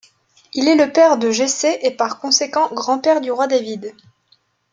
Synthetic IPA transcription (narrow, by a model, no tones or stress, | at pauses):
ilɛləpɛʁd̪əʒeseʔepaʁkɔ̃sekɑ̃ɡʁɑ̃pɛʁd̪yʁwad̪avid̪